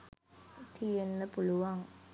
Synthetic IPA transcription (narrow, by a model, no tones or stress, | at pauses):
t̪ʰijenːəpuluʋaŋ